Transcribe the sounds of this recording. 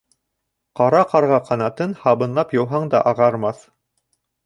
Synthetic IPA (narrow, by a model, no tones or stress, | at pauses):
qɑɾɑqɑɾʁɑqʰɑnɑt̪ɤnhɑβɤ̆nlˠɑpjɤ̆wɦɑɴd̪ɑ̰ʔɑʁɑɾmɑθ